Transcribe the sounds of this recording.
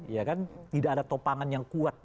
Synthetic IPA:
jakant̪idaʔadat̪opaŋanjaŋkuat̪̚

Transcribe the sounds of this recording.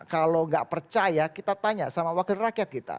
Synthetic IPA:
kaloŋɡaʔpərt͡ʃajakit̪at̪aɲa̰samawakɪlrakijat̪̚kit̪a̰

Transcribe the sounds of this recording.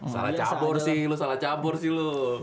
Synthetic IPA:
sa̰la̰t͡ʃabɔrsɪhlosalat͡ʃabɔrsilo

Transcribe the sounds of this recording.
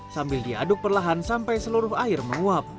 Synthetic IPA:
sambɪldia̰dʊk̚pərlaɦansampajsəluɾʊɦaɪrməuap̚

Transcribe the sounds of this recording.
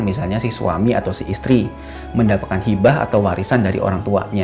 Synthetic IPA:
mis̬alɲasɪhsua̰mia̰t̪awsɪhist̪ɾi | məndapat̪̚kanhibaha̰t̪awwaɾisandaɾḭʔo̰ɾaŋt̪ua̰ɲa

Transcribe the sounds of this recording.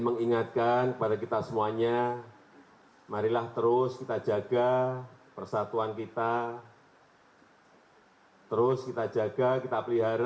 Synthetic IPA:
məŋiŋat̪̚kankəpadak̬it̪asəmuaɲa | maɾilaht̪əɾʊskit̪ḁd͡ʒaɡ̥apərsat̪uankit̪a | t̪əɾʊskit̪ḁd͡ʒaɡ̥akit̪apəliɦaɾa

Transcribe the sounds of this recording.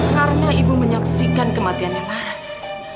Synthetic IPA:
kaɾənaibuməɲaksikankəmat̪ianjamaɾas

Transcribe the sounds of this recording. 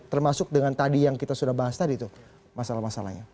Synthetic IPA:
t̪ərmasʊk̚dəŋant̪adijaŋkit̪asudahbaɦast̪adit̪u | masalahmasa̰la̰hɲa

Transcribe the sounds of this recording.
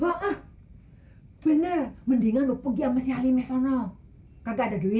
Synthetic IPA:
baʔa | b̥ənərməndiŋaŋlupəɡiamasialimɛsɔnɔ | kaɡaːdaduɪ

